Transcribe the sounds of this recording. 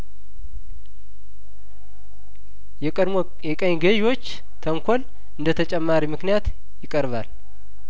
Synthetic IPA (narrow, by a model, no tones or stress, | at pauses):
jʼ | jɛkʼəɲɡəjiwo̞t͡ʃː | t̪ʰəŋkʷʰol | ɨnd̪ət̪ʰət͡ʃʼɛmːaɾimɨknijat̪ | jɪkʼəɾβal